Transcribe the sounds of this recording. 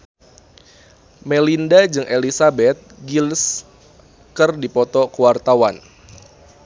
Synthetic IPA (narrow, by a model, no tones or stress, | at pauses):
melindad͡ʒɨŋʔelisabɛt̪̚ɡils | kɨrdipɔt̪ɔkəwart̪awan